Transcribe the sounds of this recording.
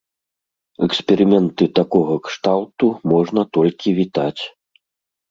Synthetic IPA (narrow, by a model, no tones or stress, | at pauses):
ɛksʲpʲɛɾɨmʲɛnt̪ɨt̪akɔɣɐkʂt̪awt̪umɔʐn̪ɐt̪ɔlʲkʲivʲit̪at͡sʲ